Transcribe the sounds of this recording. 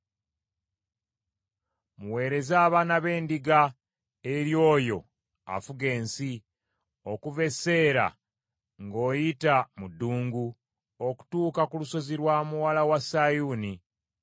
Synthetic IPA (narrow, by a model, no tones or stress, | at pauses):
muwe̞ːɾe̞zaːβaːnaβe̞ːndiɡa | e̞ɾjo̞ːjo̞ | a̰fuɡe̞ːnsi | o̞kuve̞se̞ːɾa̰ | ŋɡo̞ːjitamudːuːŋɡu | o̞ku̥tuːkakuluso̞ziɾwaːmuwalawasajuːni